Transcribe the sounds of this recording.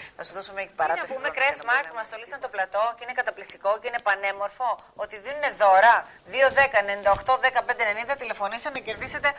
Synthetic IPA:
θɐsuðosumeecipɐɾɐðumekɾesmɐɾkmɐst̪o̞lisɐnt̪oplɐt̪o̞ceinekɐt̪ɐplikt̪iko̞ceine̞pɐne̞mo̞ɾfo̞ | ot̪iðenine̞ðo̞ɾɐ | ðio̞ðe̞kɐenenind̪ɐoxt̪o̞ðe̞kɐpe̞nd̪ene̞nind̪ɐt̪ile̞fo̞nist̪enɐce̞ɾðise̞t̪e̞

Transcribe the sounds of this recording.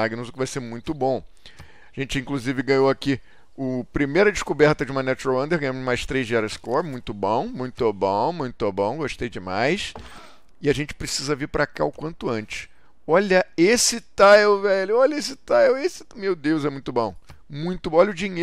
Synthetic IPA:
aɡinʊzʊkɪvajseɾmũj̃t̪ʊbõw̃ | aʒẽnt͡ʃɪĩŋkluzivɪɡɐ̃ɲowaki | ʊpɾimejɾɐd͡ʒɪʃkubɛɾt̪ɐd͡ʒɪũmɐnɛt͡ʃɾoɐ̃nd̪eɾɡɐ̃jɐ̃mʊzmajʃt̪ɾejzd͡ʒɪɛɾɐskɔɾmũj̃t̪ʊbõw̃mũj̃t̪ʊbõmũj̃t̪ʊbõw̃ɡoʃt̪ejd͡ʒɪmajs | ɪaʒẽnt͡ʃɪ̥pɾesizɐviɾpɾaka̰ʊkwɐ̃nt̪ʊɐ̃nt͡ʃɪ̥s | ɔʎɐesɪt̪aewvɛʎʊɔʎɐes̬ɪt̪aewesɪ̥mewd̪ewzɛmũj̃t̪ʊbõw̃mũj̃t̪ʊ̃ɔʎɐʊd͡ʒiɲe

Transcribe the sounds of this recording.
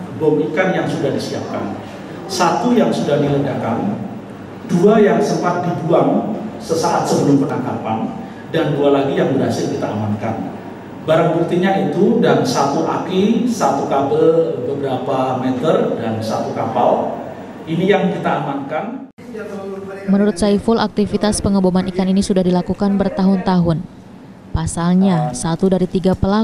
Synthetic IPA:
bomikanjaŋsudahdisia̰p̚ka̰n | sat̪ujaŋsudahdilədakan | duajaŋsəmpat̪̚dibuaŋsəsaʔat̪səbəlʊmpənakapan | dandualaɡijaŋbərɦasɪrkit̪aːmanka̰n | baɾaŋbuk̚t̪iɲait̪udansat̪uʔa̰kisat̪ukabəlbəbəɾapamɛt̪ərdansat̪ukapal | inijaŋkit̪aːmankan | mənuɾʊt̪̚saifʊlʔak̚t̪ifit̪aspəŋəbomanikaninisudahdilakukanbərt̪aɦʊnt̪aɦʊn | pasalɲasat̪udaɾit̪iɡapəla

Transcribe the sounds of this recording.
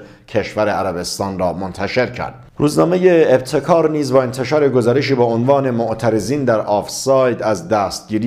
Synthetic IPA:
cʰe̞ʃvæɾeæɾæbe̞st̪ɒːnrɒːmont̪ʰæʃe̞ɾcʰæ̰ɾd̪̥ɾuːznɒːme̞jeːb̚t̪ʰe̞kʰɒːɾniːzbɒːe̞nt̪ʰeʃɒːɾeɡozɒːɾeʃ̬iːbɒːonvɒːne̞moʔt̪ʰæɾe̞ziːnd̪æɾɒːfsɒːjd̪æzd̪æːst̪̚ɟiːɾi

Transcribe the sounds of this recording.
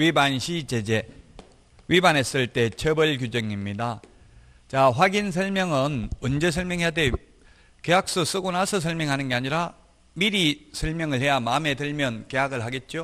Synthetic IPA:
ɥibanɕʰit͡ɕe̞d͡ʑe̞ | ɥibanɦes͈ɯɭt͈e̞t͡ɕʰʌbɯɭk̬jud͡ʑʌŋimɲida | t͡ɕaɸwaɡins̬ʰʌɭmjʌŋɯnɯnd͡ʑes̬ʰʌɭmjʌŋɦejade | ke̞jak̚s͈os͈ɯɡonasʰʌs̬ʰʌɭmjʌŋɦanɯnɡe̞aɲiɾa | miɾisʰʌɭmjʌŋɯɭhe̞jamame̞dɯɭmjʌnke̞jaɡɯɭɦaɡe̞t̚t͡ɕ͈o

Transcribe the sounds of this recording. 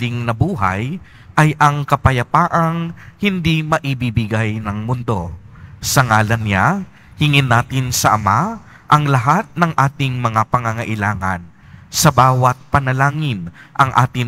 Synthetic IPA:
ɪŋnɐbuːɦɐ̰j | ʔɐjʔɐŋkɐpɐjɐpaːʔɐŋhɪnd̪imɐʔibɪibɪɡajnɐŋmʊnd̪o̞ | sɐŋaːlɐnːɪja | hɪŋɪnːaːt̪ɪnsɐʔɐma | ʔɐŋlɐɦat̪̚nɐŋʔaːt̪ɪŋmɐŋapɐŋɐŋɐʔɪlaːŋɐ̰n | sɐbaːwɐt̪̚pɐnɐlaːŋɪnʔɐŋʔa̰ːt̪ɪ

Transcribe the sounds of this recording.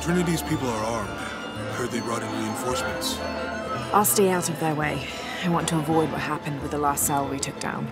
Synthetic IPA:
tʰɹ̥ɪ̃nɨɾiz̥pʰipl̩ˠə˞ɑɹmd̥ | hə˞ðeɪɹʌɾɪ̃ŋɹiɨ̃nfɔɹsmɨ̃nts | ʔaɪlˠsteɪaʊɾʌvðə˞weɪ | aɪwɑ̃ntʰəəvɔɪd̚wʌ̰t̚hapɨ̃nd̚wɨðəlaˑstsalˠəwitʰʊk̚d̥ã̰ʊ̃n

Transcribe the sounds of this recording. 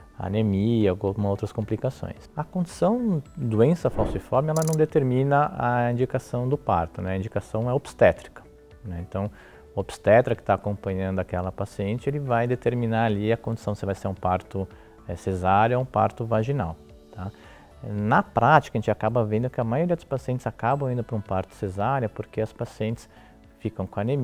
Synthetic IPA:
a̰nemiɐoumowt̪ɾɐskõmplikasõ̰j̃sɐkõnd͡ʒisɐ̃w̃d̪uẽsɐfawsʊĩfɔɾmɪɛlɐnɐ̃w̃d̪et̪eɾmĩnɐʔɐĩnd͡ʒikasɐ̃w̃d̪ʊpa̰ɾt̪ʊnɛɐĩnd͡ʒikasɐ̃w̃ɛob̥st̪ɛt̪ɾi̥kɐ̥ | nɛẽnt̪ɐ̃w̃ | obi̥st̪ɛt̪ɾɐkɪ̥t̪aːkõmpɐ̃ɲɐ̃nd̪ʊakɛlɐpasiẽnt͡ʃɪelɪvajd̪et̪eɾmĩnaɾaliɐkõd͡ʒ̪isɐ̃w̃sɪvajseɾũpaɾt̪ʊ | ɛsezaɾjʊoũpa̰ɾt̪ʊvaʒinaw | t̪ʰa | ɛnɐpɾat͡ʃi̥kɐʒẽt͡ʃakabɐvẽnd̪ʊkɪɐmajoɾiɐd̪ʊspasiẽnt̪ɪz̥akabɐ̃w̃ĩnd̪ʊpɾɐũpaɾt̪ʊ̥sezaɾjɐpoɾkeɐspasiẽnt͡ʃ̪ɪ̥s | fikɐ̃w̃kõɐnem

